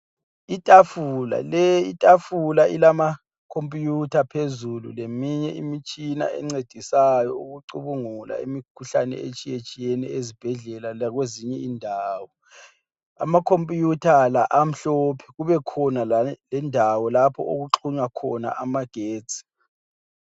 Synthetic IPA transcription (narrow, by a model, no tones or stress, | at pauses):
itʼafula̰lɛitʼafulailama | kʰompʼjutʰapʰezulṵlemiɲɛ̰ʔimit͡ʃʼina̰ʔɛ̰ŋ͡ǀed̥ʱisajɔuɣuǀuβuŋula̰imikʰuɬanɛ̰ḛt͡ʃʼijet͡ʃʼijɛnɛezib̥ʱɛɮɛlalaɣweziɲɛindʱaːwɔ | a̰makʰompʼjutʰalaʔam̩ɬɔːpʰɛ̥ɣuβɛkʰɔnalɛndʱawɔlapʰɔʔoɣuǁʰuɲakʰɔ̰na̰ʔamaɡ̥ʱeːt͡sʼi̥